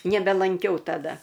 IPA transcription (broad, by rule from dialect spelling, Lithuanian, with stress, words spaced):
nʲɛbʲɛlˠɐŋʲˈkʲɛʊ tɐˈdɐ